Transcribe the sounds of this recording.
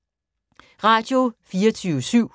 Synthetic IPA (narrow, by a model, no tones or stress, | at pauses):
ʁɑ̈d̥jo̝fiːɐt͡sʰyːʊəsyʊ̰